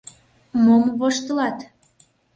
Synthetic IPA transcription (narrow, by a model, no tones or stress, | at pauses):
momβoʃt̪əlɑt̪